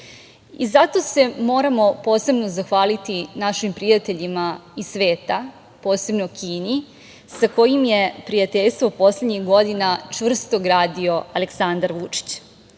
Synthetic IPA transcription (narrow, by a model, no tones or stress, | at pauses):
ḭzat̪o̞se̞mo̞ːɾamo̞po̞ːse̞bno̞zaxʋaːlit̪inaʃimpɾijat̪eʎimaisʋe̞ːt̪a | po̞ːse̞bnokʰiːni | sako̞jimje̞pɾijat̪eʎst̪ʋo̞po̞sled̪ɲixɡo̞d̪inat͡ʃvr̩st̪o̞ɡɾaːd̪io̞ale̞ksand̪aɾʋut͡ʂi̥t͡ɕ